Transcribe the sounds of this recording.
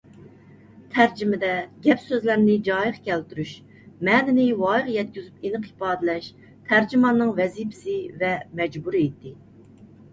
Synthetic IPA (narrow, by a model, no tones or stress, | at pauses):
t̪ʰæɾd͡ʒimɪd̪ɛɡʲɛpsøzlæɾnɪd͡ʒɑːjəχkʲʰɛlt̪yɾyʃ | mɛːnɪnɪwɑjʁjɛt̪̚kʲyzypinɨqi̥pɑːd̪ɪlɛʃ | t̪ʰæɾd͡ʒimɑnːɨŋvɛzipʰɪ̥sɪvɛmɛd͡ʒbuɾɨet̪ʰːɪ